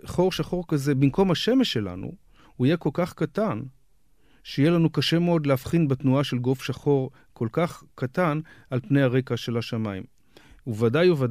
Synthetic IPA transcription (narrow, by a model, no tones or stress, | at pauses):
χo̞ʁʃaχo̞ʁkaze̞bimko̞mhaʃe̞me̞ʃːe̞la̰nṵ | huijeko̞lkaχkatan | ʃeijelanukaʃe̞meo̞dleafχinbet̪nuaʃe̞lɡo̞fʃaχo̞ʁ | kʰo̞lkaχkatanalpne̞jhaʁe̞kaʃe̞laʃamaim | uvadajuva